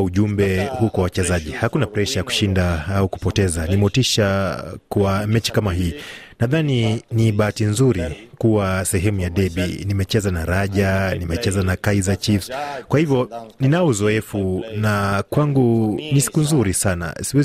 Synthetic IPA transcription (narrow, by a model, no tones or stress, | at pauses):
uʄumbɛhukwawat͡ʃɛzaʄihakunapɾɛʃajaku̥ʃindaauku̥pɔtɛzanimɔtiʃakwamɛt͡ʃi̥kamaɦiːnaðaniniɓaːtinzuɾikuwasɛɦɛmujaɗɛɓinimɛt͡ʃɛzanaɾaʄanimɛt͡ʃɛzanakaizat͡ʃifskwahivjɔninaɔuzɔɛfunakwaŋɡunisi̥kunzuɾisana̰isiwɛz